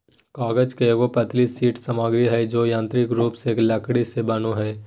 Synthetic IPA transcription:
kaːɡəd͡ʒkeɡopɐt̪liːsːiːʈsəmaːɡɾiɦɛd͡ʒoːjãːnt̪ɾɪkɾuːpseːklɐkɽisebɐnoɦɛː

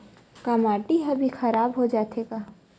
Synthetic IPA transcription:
kɐmaːʈiɦɐbʱixɐɾaːbɦod͡ʒaːt̪ʰeːɡaː

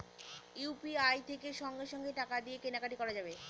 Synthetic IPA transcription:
jupiajt̪ʰekeʃɔŋɡeʃɔŋɡeʈakad̪iekenakaʈikɔɾad͡ʑabe

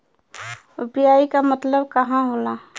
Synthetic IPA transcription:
ʊpjaːikamət̪ləbkɐɦãɦola

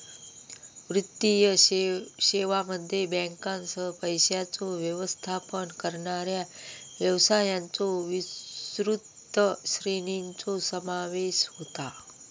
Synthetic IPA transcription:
ʋɾɪt̪ːijə | ɕeʋaməd̪ʱːjebɛ̃ŋkãnsəpəjɕjat͡soʋjəʋəst̪ʰapənkəɾɳaɾjaʋjəʋsajãnt͡soʋisɾut̪ː | əɕɾinint͡sosəmaʋeɕhot̪a

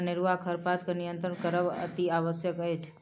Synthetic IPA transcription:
nɪɾuʋakʰəɾpat̪kənijənt̪ɾəɳkəɾəʋə̰t̪iaʋəsjəkəɦet͡ʃʰ

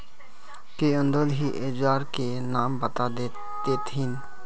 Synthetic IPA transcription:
keə̃nd̪od̪ɦiʔed͡ʒwaːɾkenaːmbət̪ad̪e | d̪eːt̪ɦɪn

